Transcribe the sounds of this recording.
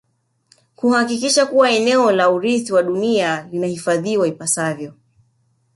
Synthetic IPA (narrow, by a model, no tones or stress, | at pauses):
kuhakikiʃakuwaɛnɛɔlauɾiθiwaɗunialinahifaðiwaipasavjɔ